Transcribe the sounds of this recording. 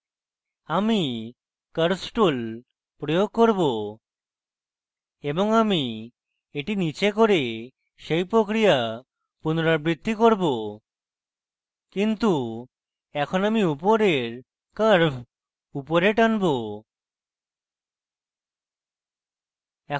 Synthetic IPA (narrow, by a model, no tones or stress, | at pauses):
ami | kəɾsʈol | pɾojoɡ̚koɾbo | eboŋami | eʈinit͡ɕekoɾe | ʃejpɾokɾija | punoɾaɾbɾid̪ʱːikoɾbo | kint̪u | ɛkʰonamiupoɾeɾ | kəɾbʰ | upoɾeʈanbo | ɛ